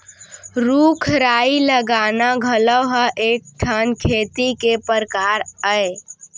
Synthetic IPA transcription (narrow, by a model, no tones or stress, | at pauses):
ɾukʰɾaːiləɡaːnaɡʱələwɦəʔeːk̚ʈʰənkʰeːt̪ikepəɾkaːɾəe